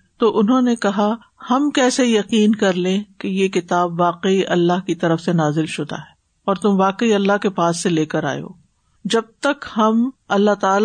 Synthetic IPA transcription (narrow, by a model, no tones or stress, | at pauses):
t̪oːʔʊnɦõːnekɐɦa | hɐmkɛːsejɐqiːnkɐɾlẽːkejekɪt̪aːbʋaːqəiʔɐlːaɦkit̪ɐɾəfsenaːzɪlʃʊd̪a̰ɦɛː | ɔːɾt̪ʊmʋaːqəiɐlːaɦkepaːsːeleːkəɾa̰ːjo̰ː | d͡ʒɐb̚t̪ɐkhɐmɐlːaɦt̪aːl